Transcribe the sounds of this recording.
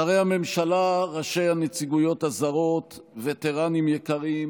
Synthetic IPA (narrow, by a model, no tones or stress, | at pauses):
aʁejhame̞mʃalaʁaʃe̞jhanet͡siɡujo̞thazaʁo̞t̪vet̪eʁanimjekaʁim